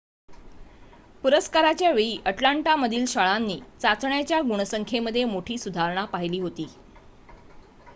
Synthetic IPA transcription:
puɾəskaɾat͡ɕjaʋeɭiːʔəʈlaɳʈaməd̪ʱiːlɕaɭanːiːt͡sat͡sɳjat͡ɕjaɡuɽ̃əsəŋkʰeməd̪ʱːjemoʈʰiːsud̪ʱaɾɳ̃apaɦiliːɦot̪iː

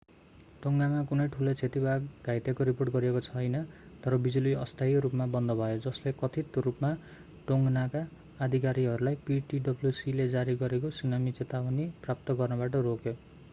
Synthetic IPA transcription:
ʈoŋamakunʌjʈʰulot͡sʰet̪ibʱaɡɡʱajt̪ekoɾiporʈɡʌɾiekot͡sʰʌjnʌt̪ʌɾʌbid͡zuliʌst̪ʰajɾupmabʌnd̪ʌbʱʌjod͡zʌslekʌt̪ʰit̪rupma | ʈoŋɡnakaː | d̪ʱikaɾiɦʌɾulajpiʈiɖʌbljusiled͡zaɾiɡʌɾek̬osunamit͡set̪awʌniprap̚t̪ʌɡʌrnʌbaʈʌrokjo

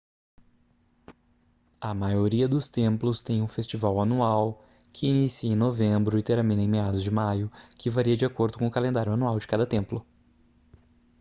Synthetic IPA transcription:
ɐmajoɾiɐd̪ʊst̪ẽplʊst̪ẽj̃ũfest͡ʃivawɐnuaw | kʰɪinisiẽj̃novẽbɾʊɪt̪eɾamĩnẽj̃mead̪ʊzd͡ʒɪmajʊkɪvaɾiɐd͡ʒiakoɾd̪ʊkõʊkalẽnd̪aɾjʊanuawd͡ʒɪ̥kad̪ɐt̪ẽmplʊ

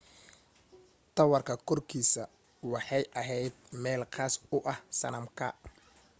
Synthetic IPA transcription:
t̪ʰɐwɐrkʰɐkʰɔrkʰiːsɐ | wɑħɑjʔɐɦɛjd̪̚mɛːlqɑːsʊʔɐhsɐ̰nɐmkʰɐ

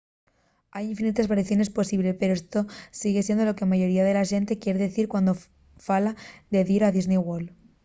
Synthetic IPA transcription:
ajiɱfinit̪ezβaɾiθjo̞ne̞spo̞siβle̞pe̞ɾoest̪o̞siɣ̞esje̞nd̪olo̞kemaʝo̞ɾiað̞e̞laʃe̞nt̪e̞kje̞ɾeðeθiɾkwand̪o | falaðe̞ðiɾaðiznejɣol

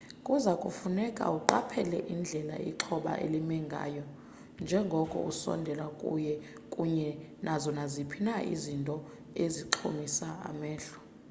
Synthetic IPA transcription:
kʼuzakʼufunɛkʼa̰uǃapʰɛlɛʔind͡ɮʱɛla̰ḭǃʰɔɓa̰ʔḛlimɛŋɡʱa̰ːjɔ | nd͡ʒʱɛŋɡʱɔkʼɔ̰usɔ̰ndʱɛlakʼṵjɛ | kʼuɲɛnʔazɔnazipʰinaḭzintʼɔ | eziǃʰo̰misaa̰mɛːɬɔ̥

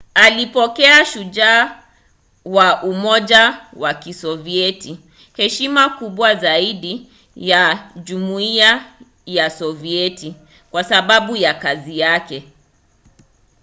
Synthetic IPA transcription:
alipɔkɛaʃuʄaː | waʔumɔʄawakisɔviɛti | hɛʃimakuɓwazaiɗi | jaʄumuia | jasɔviɛti | kwasaɓaɓujakazijakɛ

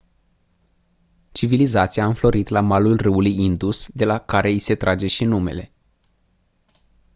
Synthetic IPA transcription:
t͡ʃivilizat̪siaɨmflo̞ɾit̪lamalulrɨulujind̪usd̪e̞lakaɾe̞ise̞t̪ɾʔad͡ʒe̞ʃinume̞̰le̞

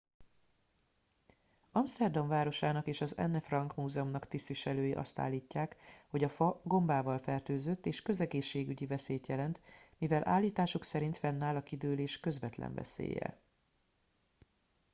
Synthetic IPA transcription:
ɒmst̪ɛrd̪ɒɱvaːɾo̞ʃaːnɒkeːʃɒzɛ̰nːɛfrɒŋkmuːzɛomnɒkt̪ist̪ʋiʃɛløːjiʔɒ̰st̪a̰ːlːiːcːaːkho̞ɟɒfɒɡo̞mbaːvɒlfɛrt̪øːzøt̪ːeːʃkø̞zɛɡeːʃːeːɡyɟivɛseːt̪jɛlɛnt̪mivɛlʔa̰ːlːiːt̪aːʃuksɛɾint̪fɛnːaːlɒkid̪øːleːʃkø̞zvɛ̰t̪lɛ̰ɱvɛ̰sḛːjɛ̰

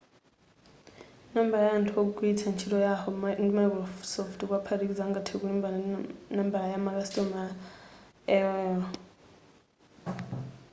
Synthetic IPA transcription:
nambalajantʰuok̬ukʼuit͡sʰant͡ʃʰilɔjahɔmŋmaklɔfsɔftʰuk̬wapʰatek̬id͡zaŋɡatʰikimbanambalajamak̬ʼastʼɔma | ɛwɛːɔ

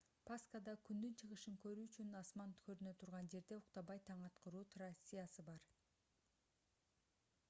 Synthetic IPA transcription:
pʰaskad̪ɑkʲʰynd̪ynt͡ʃʰɯʁɯʃɯŋkø̞ɾyːt͡ʃynɑsmɑnkʰøɾynø̞t̪ʰuɾʁɑnd͡ʒe̞ɾd̪e̞uqt̪ɑbɑjt̪ʰɑɴɑt̪qəɾuːt̪ʰradʲisʲsɨjasɯbɑɾ

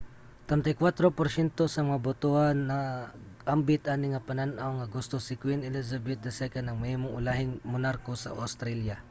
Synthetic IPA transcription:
t̪ɾɛnt̪ɐjkwat̪ɾopoɾsjɛnt̪osɐmɐŋabʊt̪oanːɐ | ʔambɪt̪ʔanɪŋɐpɐnanʔawŋɐɡʊst̪osɪkwinɛlis̬ɐbɛt̪̚d̪ɐsɛkɐnɐŋmɛhmoŋʊlahɪŋmʊnaɾkosɐ̰ʔa̰st̪ɾɛlja

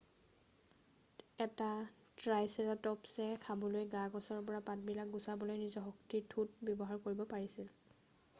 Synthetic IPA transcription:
ɛta | tɹajsɛɹatɔpsɛkʰabɔlojɡaɡɔsɔɹpɔɹapat̚bilak̚ɡusabɔlojnizɔɦɔktitʰut̚bjɔbɔɦaɹkoɹibɔpaɹisil

